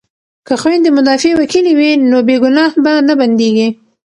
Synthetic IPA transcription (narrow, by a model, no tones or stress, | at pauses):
kəxwend̪əmʊd̪ɑfewakiliwinobeɡʊnɑhbanaband̪eɡi